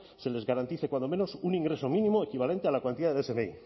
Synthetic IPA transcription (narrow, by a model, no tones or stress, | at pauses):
se̞le̞zɣaɾant̪iθekwand̪o̞me̞nosunĩŋɡɾe̞so̞mĩnĩmoekiβ̞ale̞nt̪ealakwant̪iðaðesemei